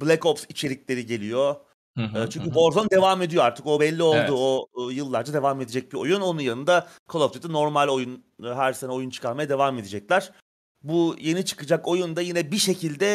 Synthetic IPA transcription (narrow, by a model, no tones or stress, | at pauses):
blʲekofsit͡ʃʰe̞ɾiclʲe̞ɾiɟe̞lʲijo̞ | ɯːt͡ʃʰyɲcybo̞ɾzond̪e̞vame̞d̪ijo̞aɾt̪ʰɯko̞bɛlʲːio̞lˠd̪uoːjɯlˠːaɾd͡ʒad̪e̞vame̞d̪ed͡ʒɛc̚bio̰juno̞nunjanɯnd̪a | kʰooft̪ʰid̪ɛno̞ɾmalʲo̞junːɦæɾse̞nɛo̞junt͡ʃʰɯ̥kʰaɾmajad̪e̞vame̞d̪ed͡ʒɛclʲæɾ̥ | buje̞nit͡ʃʰɯ̥kɯd͡ʒako̞jund̪ajinɛbiʃe̞cʰilʲd̪ɛ